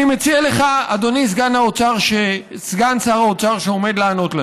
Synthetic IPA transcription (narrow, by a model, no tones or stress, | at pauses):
imet͡sieleχaad̪o̞nis̬ɡanaot͡saʁʃe | sɡansaʁaot͡saʁʃeo̞me̞d̪leano̞t̪la